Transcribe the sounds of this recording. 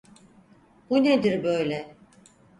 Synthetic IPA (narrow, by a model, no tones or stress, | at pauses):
b̥uned̪iɾbø̞jlʲɛ